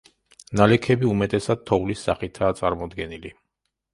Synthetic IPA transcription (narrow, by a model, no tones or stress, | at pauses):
nalɛkʰɛbiumɛt̪ʼɛsad̪̚t̪ʰɔvlisːaχit̪ʰaːt̪sʼa̰ɾmɔd̪ɡɛnili